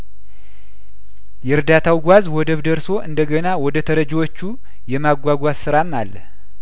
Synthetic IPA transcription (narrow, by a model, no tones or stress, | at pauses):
jɛɾd̪at̪ʰawɡʷazwɔd̪əβd̪əɾso̞ʔɨ̰nd̪əɡənawɔd̪ət̪ʰəɾəd͡ʒwot͡ʃːu | jɛmaɡʷaɡʷazsɨɾamːalːəh